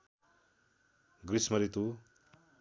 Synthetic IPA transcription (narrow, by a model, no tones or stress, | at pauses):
ɡɾismʌɾit̪u